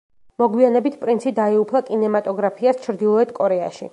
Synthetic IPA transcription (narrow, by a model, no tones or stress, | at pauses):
mɔɡwianɛbit̪ʰpʼɾint̪sʰid̪aiupʰlˠakʼinɛmat̪ʼɔɡɾapʰiast͡ʃʰɾd̪ilˠɔɛt̪̚ʰkʼɔɾɛa̰ʃḭ